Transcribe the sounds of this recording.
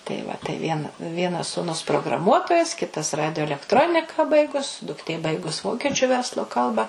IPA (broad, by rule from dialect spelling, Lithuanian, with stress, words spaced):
tɐɪ ˈʋɐ tɐɪ ʋʲiɛn ˈʋʲiɛnɐs suːˈnʊs proːɡrɐˈmuɔtoːjɛs ˈkʲɪtɐs ˈrɑːdʲɪjoː ɛlʲɛkˈtroːnʲɪkɐ ˈbɐɪɡʊs dʊkˈtʲeː ˈbɐɪɡʊs ˈʋoːkʲɛt͡ʃʲʊ ˈʋʲɛrslˠoː ˈkɐlˠbɐ